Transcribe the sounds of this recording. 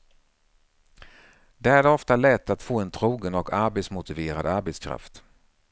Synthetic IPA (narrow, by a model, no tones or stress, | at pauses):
d̪ɛæɖɛɔft̪alɛt̪ʰːat̪foːɛnt̪ʰɾuːɡənɔkʰaɾbet̪smʊt̪ɪveːɾa̰d̪aɾbɛt̪skʰɾa̰ft̪